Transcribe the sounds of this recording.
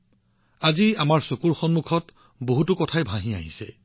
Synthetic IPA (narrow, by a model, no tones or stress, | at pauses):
aziamaɹsokuɹxɔnmukʰɔt | boɦutukɔtʰajbʱãɦĩa̰ɦḭsɛ̰